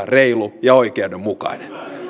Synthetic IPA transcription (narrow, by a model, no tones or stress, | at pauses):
reilujɑoikeædemmukɑ̰inen